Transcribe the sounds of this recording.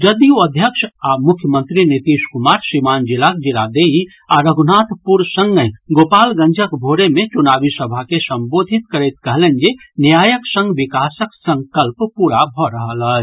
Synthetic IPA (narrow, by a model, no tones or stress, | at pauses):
d͡ʒəd̪ioəd̪ʱjəkʃamukʰjəmə̃nt̪ɾinit̪iʃkumaɾsimand͡ʒilakd͡ʒila̰d̪ei | aɾəɡnat̪puɾsə̃ŋɡəɡopalɡə̃nd͡ʒʱəkbʱoɾemet͡ʃunabisəbʱakesə̃mbod̪ʱit̪kəɾɛt̪kəɦlend͡ʒenjajəksə̃ŋɡʋikasəksə̃ŋkəlppuɾabʱɔɾəɦələt͡ʃ